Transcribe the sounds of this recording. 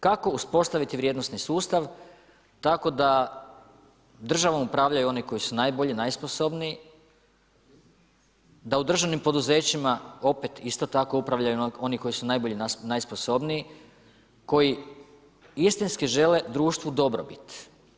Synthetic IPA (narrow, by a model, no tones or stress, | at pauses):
kako̞uspo̞st̪aʋit̪iʋɾʲjed̪no̞st̪nisuːst̪aʋ | t̪ako̞d̪a | d̪r̩ʒaʋomupɾaːʋʎajuo̞niko̞jisunajboʎinajspo̞so̞bniː | d̪aud̪r̩ʒaʋnimpo̞d̪uze̞ːt͡ɕimao̞pet̪ist̪o̞t̪ako̞upɾaʋʎajuo̞niko̞jisunajbo̞ʎinajspo̞so̞bniː | ko̞ji | ist̪inskiʒe̞le̞d̪ɾuːʃt̪vʋud̪o̞bɾobit̪